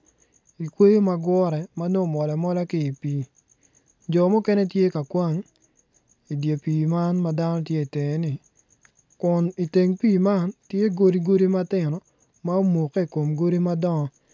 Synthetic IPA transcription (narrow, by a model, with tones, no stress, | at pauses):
i˨kwe˦jo˦ma˨ɡwɔ˦ɾɛ˨ma˦no˦˨mɔ˨lɛ˨mɔ˦la˦kɪ˦i˨piː˨˦ | d͡ʒɔ˨mɔ˦kɛ˦nɛ˦tje˦ka˨kwa˦ŋ | i˨dje˨piː˨ma˦nma˦da˦nɔ˦tje˦i˨te˨ŋe˦nɪ˨ | kʊ˨ni˨te˨ŋpiː˦˨ma˦ntje˦ɡo˦ɾi˦ɡo˦ɾi˦ma˦tɪ˦˨nɔ˨ | ma˦o˦mo˨kːe˦i˨ko˨mɡo˦ɾi˦ma˦dɔ˦ŋɔ˦